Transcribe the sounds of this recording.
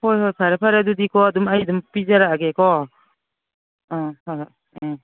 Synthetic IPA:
hojɦojpʰaɾapʰaɾadudikɔːdumajdumpizaɾaːɡekɔ | ɔhojɦ

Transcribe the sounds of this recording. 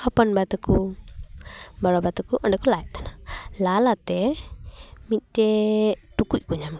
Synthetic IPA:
hapɔnbat̪ɔku | baɽɔbat̪ɔkuʔɔɳɖɛkulaɛʔt̪analalat̪ɛ | mit̪̚ˀtɛʈukuc̚ˀkuɲam

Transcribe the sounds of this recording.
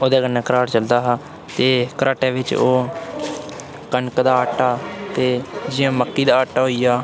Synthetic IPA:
oːd̪ɛːɡənːɛ̃ːkəɾaːɾt͡ʃəld̪aːɦaː | t̪eːkəɾʔaːʈɛːʋɪt͡ʃoː | kənkd̪aːəːʈːaːt̪eːd͡ʒɪjãːməkːiːd̪aːəːʈːaːɦoːiːjaː

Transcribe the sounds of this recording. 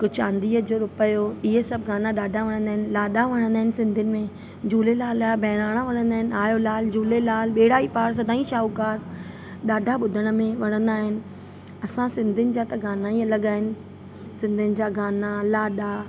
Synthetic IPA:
kʊt͡ɕã̰ːnd̪iːɦəd͡ʑoːɾʊpəjoɪɦesɐbʱɡaːnaɗaːɖʱaʋɐɽ̃ə̃nd̪aːɦɪnɪ̆laːɗaʋɐɽ̃ə̃nd̪aːɦɪnɪ̆sɪ̃nd̪ʱɪnɪ̆mẽ | d͡ʑuːlelaːlbʱɐːɪɽ̃aːɽ̃aʋɐɽ̃ə̃nd̪aːɦɪnɪ̆aːjolaːld͡ʑuːlelaːlɓeːɽaːipaːɾs̬ɐd̪ʱaːĩʃaːukaːɾ | ɗaːɖʱaɓʊd̪ʱəɽ̃ə̆mẽʋɐɽ̃ə̃nd̪aːɦɪnɪ̆ | ɐsãsɪ̃nd̪ʱɪnɪ̆d͡ʑat̪ɐɡaːnaiɐləɠaːɦɪnɪ̆ | sɪ̃nd̪ʱɪnɪ̆d͡ʑaːɡaːnalaːɗa

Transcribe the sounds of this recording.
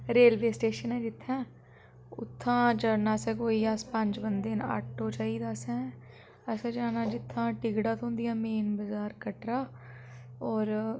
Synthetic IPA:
ɾeːlʋeːsʈeːʃənɛ̃ːd͡ʒɪt̪ʰːɛ̃ː | ʊ̰t̪ʰːãːd͡ʒəɽnaːsɛ̃ːkoːiːəspə̃ɲd͡ʒbənd̪eːna̰ːʈʰoːt͡ʃaːiːd̪aːsɛ̃ː | əsɛ̃ːd͡ʒaːnaːd͡ʒɪt̪ʰːãːʈɪɡɽãːt̪ʰõːnd̪ɪjãːmeːnbəzaːɾkəʈɾaː | ɔːɾ

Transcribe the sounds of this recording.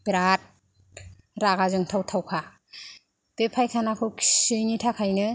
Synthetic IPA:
bɾat̚ | ɾaɡazɯŋtʰawtʰawkʰa | b̥epʰajkʰanakʰɯkʰsɯjŋitʰakʰajnɯ

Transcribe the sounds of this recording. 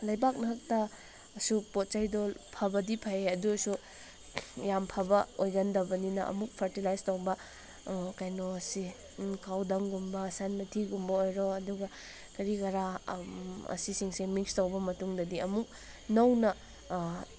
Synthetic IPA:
lɐjbak̬̚nɐɦɐk̚tɐ | supot̚t͡ʃajdolpʰɐbɐdipʰɐjeɐduɐsu | jampʰɐbɐojɡɐndɐbɐninɐ̰ʔɐ̰muk̚pʰɐɾtilajstɐwbɐ | kɐjnoɐsi | kawdɐŋɡumbɐsanmɐtʰiɡumbɐojɾoɐduɡɐ | kɐɾikɐɾa | ɐ̰sisiŋsemikstɐwbɐmɐtuŋdɐdiɐmuk̚ | nɐwnɐ

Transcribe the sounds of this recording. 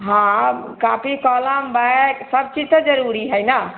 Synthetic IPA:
ɦãkapikələmbaksəb̚t͡ʃid͡ʒt̪əd͡ʒəɾuɾiɦəjna

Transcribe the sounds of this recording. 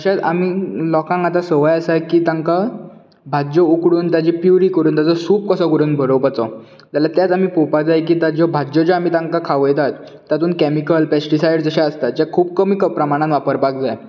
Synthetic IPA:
d͡zəɕat͡sa̰m̤iːlɔkãŋat̪asəʋəjəsajkiːt̪aŋka | bʱad͡ʑɔukɽuːnt̪jad͡ʑipjuɾiːkəɾuːnt̪jat͡sɔsuːp̚kəsɔkəɾuːnbʱəɾopat͡sɔ | d͡zaljat̪jat͡sam̤iːpopad͡zajk̬iːt̪ad͡ʑɔbʱad͡ʑɔd͡ʑɔam̤iːt̪ãŋkakʰaʋəjt̪at̪ː | jat̪uːnkɛmikəlpɛsʈisajɽd͡zəɕaəst̪at̪̚d͡ʑakʰuːb̚kəmikəpɾəmaɽ̃ãnʋapəɾpak̚d͡zaj

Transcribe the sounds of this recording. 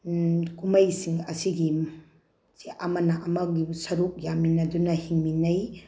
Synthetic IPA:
kumɐjsiŋɐsiɡi | siʔɐmɐnɐʔɐmɐɡisɐɾuk̚jaminɐdunɐhiŋminɐj

